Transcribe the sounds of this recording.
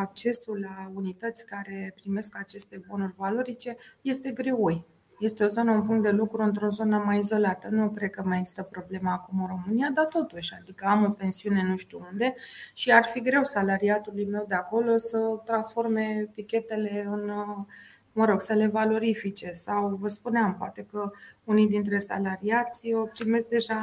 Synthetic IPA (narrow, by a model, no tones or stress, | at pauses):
ak̚t͡ʃe̞sulːaunit̪ət̪sʲkaɾe̞pɾime̞skat͡ʃe̞st̪e̞bo̞nurʲvalo̞ɾit͡ʃe̞je̞st̪e̞ɡɾeuj | je̞st̪e̞o̞zo̞nəunpuŋkt̪d̪e̞lukɾuɨnt̪ɾo̞zo̞nəmajizo̞lat̪ənukɾed̪̚kəmajeɡzist̪əpɾo̞ble̞məakumɨnro̞mɨnijad̪at̪o̞t̪uʃʲad̪ikəamo̞pe̞nsiune̞nuʃt̪uund̪e̞ʃiarfiɡɾe̞wsalaɾiat̪ulujme̞wd̪e̞ako̞lo̞sət̪ɾansfo̞rme̞t̪ikʲe̞t̪e̞le̞ɨn | məɾo̞ɡsəle̞valo̞ɾifit͡ʃe̞sawvəspuneampoat̪e̞kəunijd̪int̪ɾe̞sa̰laɾiat̪sʲot̪ɾime̞sk̚d̪e̞ʒa